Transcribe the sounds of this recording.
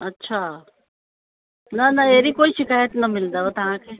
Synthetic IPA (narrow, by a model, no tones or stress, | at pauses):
ɐtːʃʰa | nɐnɐeːɾikoːiʃɪkaːjət̪nɐmɪld̪aot̪ɐɦãkʰe